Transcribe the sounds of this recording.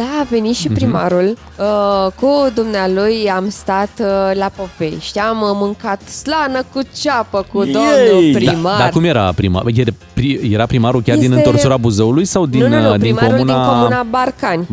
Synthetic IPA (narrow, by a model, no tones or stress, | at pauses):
d̪̥aːve̞nit̪ʃipɾimaɾul | əkud̪umnealujamst̪at̪lapo̞ve̞̰ʃt̪ʲammɨŋkat̪slanəkut͡ʃapəkud̪omnupɾimad̪arkumjeɾapɾḭma̰je | pɾije̞ɾapɾimaɾulkʲard̪inɨnt̪o̞rsuɾabuzəulujsawd̪ind̪iŋmkomunakomunabarkanʲ